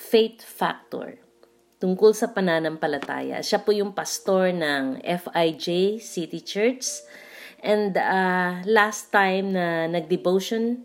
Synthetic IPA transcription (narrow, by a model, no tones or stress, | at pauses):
fejt̪fa̰k̚t̪o̰ɹ | t̪ʊŋkolsɐpɐnaːnɐmpɐlɐt̪a̰ːjɐ̰ʃapojʊŋpɐst̪oɹnɐŋʔɛfajd͡ʒesit̪ɪt͡ʃɛɹt͡ʃs | ʔɛ̃nd̪alast̪ːãjmnɐnɐɡ̚d̪ɪvowʃon